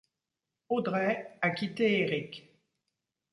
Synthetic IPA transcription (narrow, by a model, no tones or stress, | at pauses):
od̪ʁɛakʲit̪eeʁik